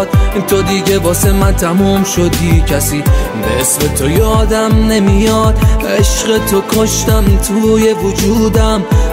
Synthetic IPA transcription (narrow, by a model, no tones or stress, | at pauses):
d̪int̪ʰod̪iːɟe̞bɒːse̞mænt̪ʰæmumʃo̞d̪iːcʰæsiːbeʔesmet̪ʰo̞jɒːd̪æmne̞mijɒd̪ʔeʃɢet̪ʰo̞kʰo̞ʃt̪æmt̪ʰuːje̞vod͡ʒud̪æm